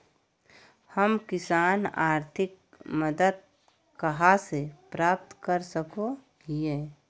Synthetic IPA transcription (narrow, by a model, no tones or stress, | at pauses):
həmkɪsaːnaːɾt̪ʰɪk | məd̪əd̪̚ | kɐɦasepɾaːp̚t̪kəɾsəko | ɡieː